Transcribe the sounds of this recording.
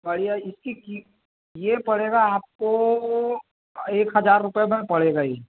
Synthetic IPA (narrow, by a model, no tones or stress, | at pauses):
bəɽijaɪskiki | jepəɽ̤eɡaaːp̚ko | eːkɦəd͡ʒaːɾːʊpjemẽpəɽ̤eɡai